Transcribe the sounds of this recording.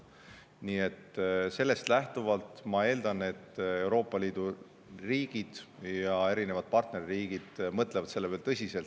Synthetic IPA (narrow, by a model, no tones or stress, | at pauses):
niːe̞t̪se̞lːe̞st̪læht̪uvɑlt̪ˑmɑe̞ːld̪ɑne̞t̪ːe̞wɾo̞ːpˑːɑliːd̪̥u | riːɡ̥id̪̥jɑe̞ɾine̞vɑd̪̥̚pɑrt̪ne̞riiːɡ̥id̪̥mɤt̪ˑlevɑt̪se̞lːevelt̪ɤsʲise̞lt̪